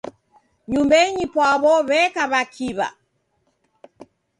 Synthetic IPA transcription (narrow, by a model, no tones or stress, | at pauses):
ɲumbɛɲipwaβɔβɛkaβakʰiβa̰